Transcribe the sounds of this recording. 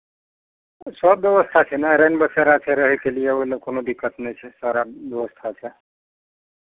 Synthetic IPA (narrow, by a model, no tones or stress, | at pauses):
səb̚d̪jəʋəst̪ʰat͡ʃʰɛnaɾenbəseɾat͡ʃʰɛɾəɦɛkelijeoɦilekonod̪ikːət̪nɛt͡ʃʰɛsaɾab̪əʋəst̪ʰat͡ʃʰɛ